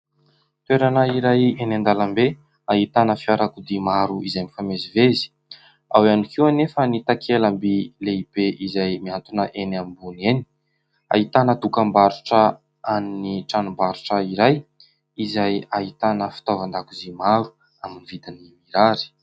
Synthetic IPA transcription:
t̪weɾanəiɾajenand̪alambe | aɦit̪anəfiaɾakud̪imaɾuizajmifamezivezi̥ | awanikiwanefənit̪akʰelambileib̥eʔizajmiant̪unəʔenambuneni̥ | a̰it̪anət̪ukambaɾuʈ͡ʂə | aniniʈ͡ʂanumbaɾuʈ͡ʂəiɾaj | izajaɦit̪anəfi̥t̪ovand̪akuzimaɾu̥ | aminivid̪inimiɾaɾi̥

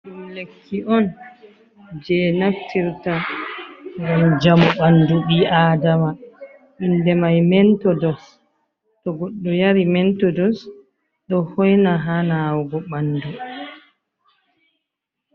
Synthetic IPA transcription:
ɗumlekʰːiʔɔn | d͡ʒɛnaftʰiɾta | ɡɔnd͡ʒamɔɓanduɓiaːdama | ʔindɛmajmɛntɔdɔs | ɗɔɡɔɗːɔjaɾimɛntɔdɔs | ɗɔhɔjnaɦanaːwɡɔɓandu

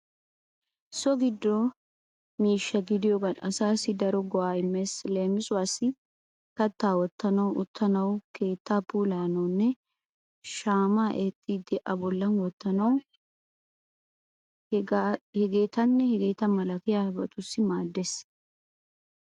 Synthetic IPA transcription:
sɔɡɪd̪ːɔ | miːʃːɐɡɪd̪ɪjɔɡɐnɐsaːsɪd̪ɐɾɔɡɔaːɪmːɛsle̞ːmɪsʼʊwaːsɪ | kɐt̪ːaːwɔt̪ːɐnɐwʔʊt̪ːɐnɐwke̞ːt̪ːaːpuːlaːnɐwnːɛ | ʃaːmaːʔet̪ʼːiːd̪ɪʔɐbɔlːɐnwɔt̪ːɐnɐw | hɛɡeːt̪ɐnːɛhɛɡe̞ːt̪ɐmɐlɐkɪjabɐ̰t̪ʊsːɪmaːd̪ːes

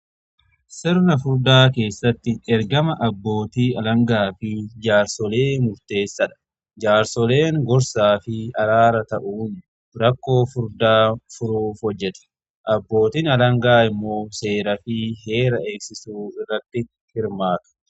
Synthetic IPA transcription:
sɪɾnɐfʊɾd̪aːke̞ːsːɐt̪ːɪɛɾɡɐmɐʔɐbːo̞ːt̪iːɐlɐŋɡaːfɪd͡ʒaːɾsɔle̞ːmʊɾt̪e̞ːsːɐᶑɐ̥ | d͡ʒaːɾsɔle̞ːŋɡɔɾsaːfɪɐɾaːɾɐt̪ɐʔuːn | ɾɐkːo̞ːfʊɾd̪aːfʊɾuːfhɔd͡ʒːɛt̪ɛ̥ | ʔɐbːo̞ːt̪iːnɐlɐŋɡaːɪmːo̞ːse̞ːɾɐfɪɦe̞ːɾɐe̞ːksɪsuːɪrːɐt̪ːɪ | hɪɾmaːt̪ɐ̥

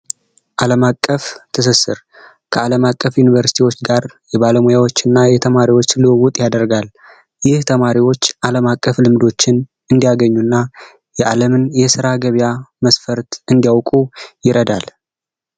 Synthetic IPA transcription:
ʔaləmakʼːəft̪ʰɨs̬ɨsɨɾ | kʰəaləmakʼːəfjunivəɾsi̥t̪ʰiwo̞t͡ʃːɡaɾjɛbaləmujawo̞t͡ʃːɪnːajɛt̪ʰəmaɾiwo̞t͡ʃːlɨwəwut̪ʼjad̪əɾɡal | jɪht̪ʰəmaɾiwo̞t͡ʃːʔaləmakʼːəflɨmd̪o̞t͡ʃːɪn | ɨnd̪ijaɡəɲːunːa | jɛʔaləmɨnjɛsɨɾaɡəβijaməsfəɾt̪ɨnd̪ijawkʼujɪɾəd̪al

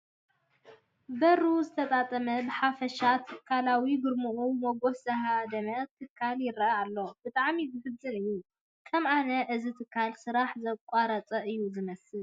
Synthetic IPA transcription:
bɐɾuzɨt̪ʰɐt̪ʼat̪ʼɐmɐbɨħafɐʃat̪ʰɨkʰːalawiɡɨɾmuʔumoɡofsɐɦad̪ɐmɐt̪ʰɨkʰːaljɪrɐʔalːo̞bɨt̪ʼaʕmizɨfɨbzʼɨnɨjːu | kʰɐmʔanɐʔɨzit̪ʰɨkʰːalsɨɾaħzɐkʷʼaɾɐt͡sʼɐʔɨjːuzɨmɐsɨl

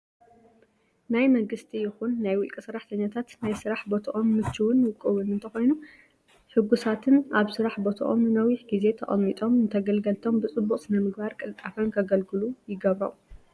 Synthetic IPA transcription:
najmɐŋɡɨst̪ʰijɪxunːajwʊlkʼisɐɾːaħt̪ʰɐɲːat̪ʰat̪najsɨɾaħbo̞t̪ʰɐʔo̞mːɨt͡ʃʰːɨwʊnwɨkʼːɨwʊnɨnt̪ʰɐxo̞jnu | ħɨɡusat̪ʰɨnaβsɨɾaħbo̞t̪ʰɐ̰ʔomnɨnɐwiħɡize̞t̪ʰɐ̰ʔʼɐ̰mːit̪ʼo̞mɨnt̪ʰɐɡɐlɡɐlt̪ʰo̞mbɨt͡sʼɨbːuqʼsɨnɐmɨɡbaɾkʼɨlt̪ʼafɐnkʰɐɡɐlɡɨlujɪɡɐβɾɐ̰

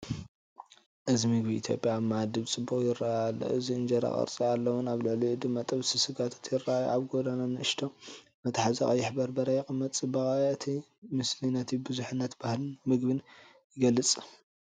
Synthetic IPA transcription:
ʔɨzimɨɡbḭːt̪ʰjo̰pʼjamad̪ɨβt͡sʼɨbːuxʼjɪɾːaal̰ːɨziɨnd͡ʒɐɾa̰χʼɐ̰ɾt͡sʼialːɐwʊnaβlɨʕluʕɨd̪ɨmːat̪ʼɐβsɨsɨɡat̪ʰḁt̪ʰjɪrːaajṵʔaβɡod̪ananɨɨʃt̪ʰo | mɐt̪ʰħazɐχʼɐjːɪħbɐɾbɐɾajɛkʼɨmːɐt̪ʼɨbɐχʼajɨt̪ʰi | mɨslinɐt̪ʰibɨzuħɨnːɐt̪bahlmɨɡbɨn | jɪɡɐlːɨt͡sʼ

